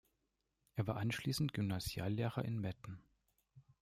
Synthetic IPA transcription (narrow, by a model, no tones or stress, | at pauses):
ʔeːɐvaːɐʔanʃliːsn̩tɡ̥ʏmnazja̰ːlːeːʁɐʔɪnmɛtn̩